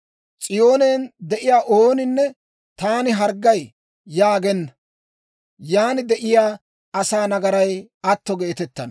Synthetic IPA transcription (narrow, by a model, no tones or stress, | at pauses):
t͡sʼɪjo̞ːneːnd̪ɛʔɪjaːʔoːnɪnːɛ | t̪aːnɪɦɐɾɡɐjː | aːɡɛnːɐ | jaːnɪd̪ɛʔɪjaː | ɐsaːnɐɡɐɾɐj | ɐt̪ːɔɡeːt̪ɛt̪ːɐn